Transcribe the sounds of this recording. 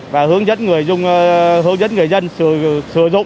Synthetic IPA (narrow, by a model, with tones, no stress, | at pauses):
vaː˨˩hɨ˨˦əŋzə̰˦˥nŋɨ˨˩əjzʊ˧ŋ͡mɦɨ˨˦əŋzə˦˥nŋɨ˨˩əjzə˧nsɨ˧˩sɨ˧˩əzʊ̰˧˨ŋ͡m